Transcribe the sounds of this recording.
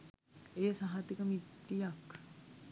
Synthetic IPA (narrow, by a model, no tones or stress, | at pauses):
ejəsaɦat̪ikəmiʈːijak